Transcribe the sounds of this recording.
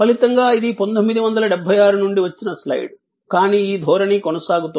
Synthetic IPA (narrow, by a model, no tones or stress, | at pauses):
pɐlit̪ɐŋɡaːid̪ipɐnd̪ommːid̪iʋɐnd̪ɐlɐɖɛbʱːɐjaːɾunuɳɖiʋɐt͡ʃːinɐslɐ̰jɖ | kaːniːiːd̪ʱɔːɾɐnikonɐsaːɡut̪u